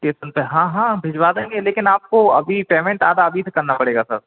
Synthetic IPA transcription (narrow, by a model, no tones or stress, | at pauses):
keːsənpeɦãːɦãːbʱɪd͡ʒʋaːd̪ẽːŋɡeleːkɪnaːp̚koɐbʱipeːmẽɳʈaːd̪aɐbʱisekɐɾnapɐɽeːɡasɐ̰ɾ